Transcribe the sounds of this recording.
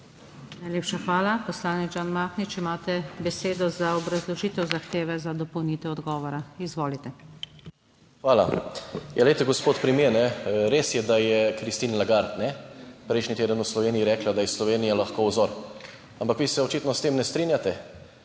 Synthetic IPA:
najleːpʃaxʋaːlapɔslaːnid͡ʒaːnmaːxnit͡ʃimaːt̪ɛbɛseːd̪ɔzaɔbɾazlɔʒiːt̪ɛwzaxt̪eːʋɛzad̪ɔpɔwniːt̪ɛɔd̪ɡɔːʋɔɾaizʋoːlit̪ɛ | xʋaːla̰jʔalet̪ɛɡɔspoːt̪pɾimjenɛɾeːsjɛd̪ajɛkɾist̪iːnlaɡaɾt̪nɛpɾɛjʃnit̪eːd̪ənuslɔʋeːnijiɾɛːklad̪ajɛslɔʋeːnijalaxkoːwzɔɾ | ampakʋisɛɔt͡ʃit̪nɔst̪eːmnɛst̪ɾinjat̪ɛ

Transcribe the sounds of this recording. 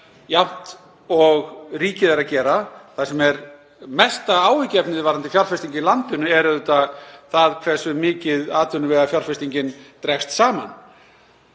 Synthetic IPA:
jawht̪ | ɔɣriːcɪðaɾaðcɛːɾaθaðsɛmɛɾ | mɛst̪aaːwvɪcɪɛpnɪðvaɾant̪ɪfjar̥fɛst̪iɲcɪlant̪ɪnʏɛɾðʏt̪aθaðkʰvɛ̥sʏmɪːcɪðaːt̪ʏnʏvɛːɣðafjar̥fɛst̪iɲcɪnt̪ɾɛxst̪saːma̰n

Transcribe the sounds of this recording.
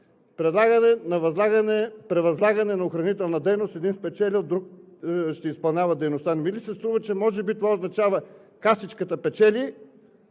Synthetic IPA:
pɾɛd̪lˠaɡɐnɛnɐvɐzlˠaɡɐnɛpɾɛvɐzlˠaɡɐnɛnɐoxɾɐnit̪ɛlˠnɐd̪ɛjnost̪ɛd̪inspɛt͡ʃɛlʲid̪ɾuk̚ | ʃt̪ɛispɐlˠnʲavɐd̪ɛjnost̪anmilisɛst̪ɾuvət͡ʃɛmɔʒɛbit̪ovaoznɐt͡ʃavəkast̪it͡ʃkət̪əpɛt͡ʃɛlʲi

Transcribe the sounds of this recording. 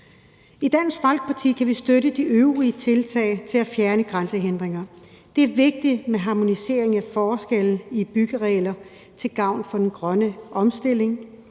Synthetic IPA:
id̥æn̰sɡ̥fɑ̈lɡ̥̚pʰɑ̈t͡sʰḭːkʰæʋisd̥øɾəd̥iʔøʊʁiət͡sʰe̝lt͡sʰɛ̰ːɪt͡sʰe̝læfjæɐnəɡ̥ʁansəɦend̥ʁeŋɐ | d̥e̝æɐʋe̝ɡ̥̚d̥i̥meɦɑ̈mo̝nise̝̰ːɐ̰eŋæfɒːsɡ̥eln̩ib̥yɡ̥əʁɛɪlɐ | t͡sʰe̝lɡ̥ɑ̈ʊ̰nfɒ̽d̥enɡ̥ʁɶnəʔɒ̽msd̥e̝l̰e̝ŋ

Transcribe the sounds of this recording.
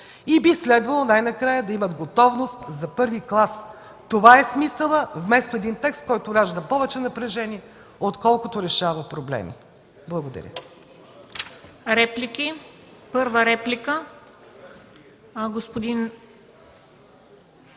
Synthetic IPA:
ibislɛd̪vɐlˠonajnɐkɾajəd̪ɐimɐt̪ɡot̪ɔvnost̪zɐpɤɾviklˠas | t̪ovaɛsmisəlˠəvmɛst̪oɛd̪int̪ɛkst̪̚kɔjt̪oɾaʒd̪ɐpɔvɛt͡ʃɛnɐpɾɛʒɛniɛ | ot̪kɔlˠkʊt̪oɾɛʃavəpɾoblɛ̰mḭ | blˠɐɡod̪ɐ̰ɾʲə̰ | ɾɛplʲiki | pɤɾvəɾɛplʲikə | ɡospod̪in

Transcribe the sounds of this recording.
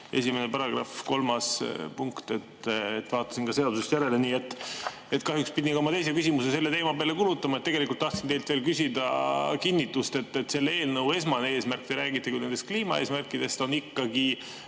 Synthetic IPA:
e̞̰sʲimene̞pɑɾɑɡ̥rɑ̰fko̞lmɑspuŋkt̪e̞t̪ːet̪ːvɑːt̪ːˑɑ̥sinkɑse̞ɑd̪̥usest̪jæɾe̞le̞niːe̞t̪ːˑ | et̪kɑɦjukspid̪ʲinkɑomɑt̪e̞js̬ekys̬ʲimusese̞lːe̞t̪e̞ːmɑpeːlekulut̪ːˑɑmɑet̪ːeɡe̞likult̪ːɑhk̪sint̪ejlt̪ve̞ːlkysʲid̪̥ɑ̰kinːit̪ːust̪e̞t̪ːet̪ːse̞lːee̞ːlnɤwe̞s̬mɑnee̞ːsmærkːˑid̪̥eɾæːɡit̪ːˑekujne̞nd̪est̪kliːmɑ̰e̞ːsmærkːˑid̪̥e̞st̪o̞nikːɑɡ̥i

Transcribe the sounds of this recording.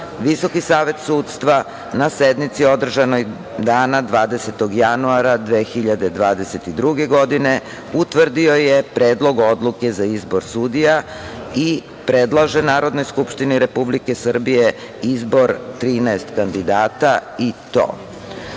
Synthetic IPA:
ʋiso̞kisaːʋe̞t̪suːt̪st̪ʋa | nased̪mit̪sio̞d̪r̩ʒanoj | d̪aːnad̪ʋaːd̪e̞se̞t̪o̞ɡjanuaɾad̪ʋe̞xiʎad̪e̞d̪ʋaːd̪e̞se̞t̪id̪ɾuɡe̞ɡo̞d̪ine̞ | ut̪ʋr̩d̪io̞jepɾeːd̪lˠo̞ɡo̞d̪lˠuke̞zaizbo̞ɾsud̪ija | i | pɾed̪lˠaʒenaːɾo̞d̪no̞jskupʃt̪iniɾe̞publike̞sr̩bije | izbo̞ɾt̪ɾiːnaest̪kand̪id̪aːt̪ait̪o̰ː

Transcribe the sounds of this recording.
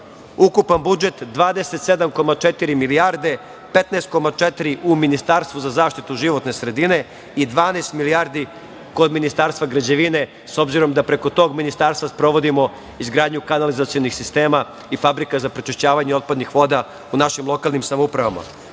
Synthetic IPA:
ukupanbud͡ʒe̞t̪d̪ʋaːd̪eset̪sed̪amko̞mat͡ʃet̪iɾimiliaɾd̪e̞ | pet̪neːst̪̚ko̞mat͡ʃet̪ɾiʔuminist̪aɾst̪ʋuzazaːʃt̪it̪uʒiʋo̞t̪ne̞sɾe̞d̪ine̞ | id̪ʋaːnest̪miliaːɾd̪i | ko̞d̪minist̪aːɾst̪ʋaɡɾad͡ʑeʋine̞ | so̞bziɾo̞md̪apɾe̞ko̞t̪o̞ːɡminist̪aɾst̪ʋaspɾo̞ʋo̞d̪imo̞ | izɡɾaːd̪ɲukanalizat̪sijo̞nixsist̪e̞ːma | ifabɾikazapɾet͡ʃeʃt͡ɕaːʋaɲeo̞t̪̚pad̪nixʋo̞d̪a | unaʃimlˠo̞kalˠnimsamoupɾaʋama̰

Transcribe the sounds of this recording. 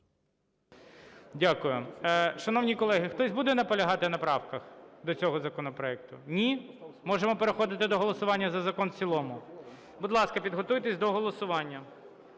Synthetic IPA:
dʲakʊjʊʃɐnɔwnʲikɔlˠɛɦɪxt̪ɔzʲbud̪ɛnɐpɔlʲɐɦɑt̪ɪnɐpɾɑwkɐxd̪ɔt͡sʲɔɦɔzɐkɔnɔpɾɔɛkt̪ʊnʲimɔʒemɔpeɾexɔd̪ɪt̪ɪd̪ɔɦɔlˠɔsʊʋɑnʲːɐzɐzɐkɔnt͡sʲilˠɔmʊ | bʊd̪lˠɑskɐpʲid̪ɦɔt̪ujt̪esʲd̪ɔɦɔlˠɔsʊʋɑnʲːɐ

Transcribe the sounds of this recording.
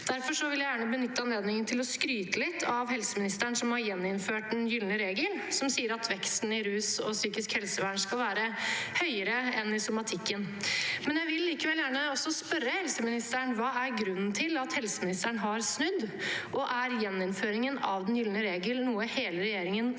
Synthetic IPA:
d̪̥æɾfɔʂɔʋɪljæɪjæːɳəbənʏt̪ːəɑnleːd̪nɪŋənt̪ʰɪlɔskɾyːt̪əlɪt̪ʰːɑʋhɛlsəmɪnɪst̪æɳsɔmhɑɾjɛnːɪnføːʈ̚d̪ɛnjʏlnəɾeːɡəl | sɔmsiːəɾɑt̪ʰʋɛkst̪n̩ɪɾʉːsɔ̰syːkɪskhɛlsəʋæːɳskɑlʋæːɾəhœʏəɾəɛnɪsʊmɑt̪ʰɪkːənmɛnjæɪʋɪlːiːkəʋɛljæːɳəɔsːɔspœɾːəhɛlsəmɪnɪst̪æɳʋɑːæɾɡɾʉnːn̩t̪ʰɪlɑt̪hɛlsəmɪnɪst̪əɳɦɑɾsnʉd̪ːʔɔʔæɾjɛnːɪnføːɾɪŋənɑ̰ʋd̪ɛnjʏlnəɾeːɡəlnuːəheːləɾɛjeːɾɪŋən

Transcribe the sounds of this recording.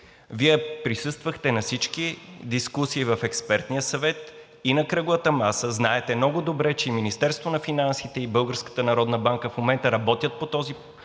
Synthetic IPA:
viɛpɾisɤst̪vəxt̪ɛnɐsit͡ʃk̟id̪iskusiːvɐfɛkspɛɾt̪nijəsɐvɛt̪ | inɐkɾɤɡʊvət̪əmasəznaɛt̪ɛmnɔɡʊd̪obɾɛt͡ʃɛiminist̪ɛɾst̪vonɐfinansit̪ɛibɤlˠɡəɾskə̥t̪ənɐɾɔd̪nəbaŋkəfmomɛnt̪əɾɐbɔt̪ʲjət̪̚pot̪ɔzi

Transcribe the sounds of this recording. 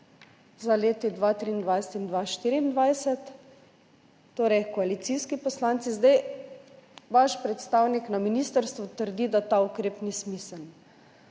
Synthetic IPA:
zaleːt̪id̪ʋat̪ɾiːnd̪ʋajsɛ̥t̪ind̪ʋaʃt̪iːɾiːnd̪ʋajsɛt̪ | oːɾɛjkɔalit̪siːskipɔslant̪sizd̪aj | ʋaʃpɾɛt̪st̪awniknaminist̪əɾst̪ʋut̪əɾd̪id̪at̪aukɾeːpnismisəln

